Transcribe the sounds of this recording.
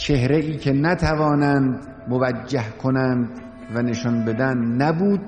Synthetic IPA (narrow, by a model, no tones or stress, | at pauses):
t͡ʃʰe̞hɾeiːcʲʰe̞næt̪ʰævɒːnænd̪ | movæd͡ʒːæhkʰonænd̪ | væneʃɒnbe̞d̪ænd̪næbuːd̪̥̚